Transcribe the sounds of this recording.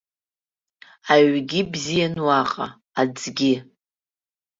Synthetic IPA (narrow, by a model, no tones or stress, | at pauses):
aɥɡʲibzijanwaqʼa̰ | ad͡zɡʲɪ